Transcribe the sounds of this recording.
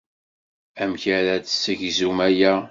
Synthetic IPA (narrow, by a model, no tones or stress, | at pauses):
æmçæɾæt͡ssːəʝzumæjæ